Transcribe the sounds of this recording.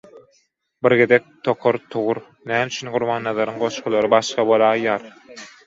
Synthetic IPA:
biɾɡed̪ek̚t̪ʰoqʰoɾt̪ʰuʁuɾ | næːmyt͡ʃʰynɡuɾmɑːnːɑðˠɑɾɯŋɢo̞ʃqulˠɑɾɯbɑʃqɑbolˠɑːjːɑːɾ

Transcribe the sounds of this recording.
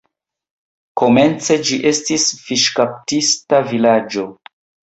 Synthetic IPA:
ko̞me̞nt͡se̞d͡ʒiʔe̞stisfiʃkap̚tistavilad͡ʒo̞

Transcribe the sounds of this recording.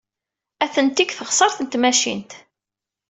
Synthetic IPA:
æθənt̪ikθəʁsˤɑɾθənt̪mæʃḭnt̪

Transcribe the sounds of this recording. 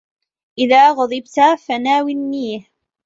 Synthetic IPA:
ʔɪðaːɣʊd̪ˤɨbt̪afanaːwɪnːiːh

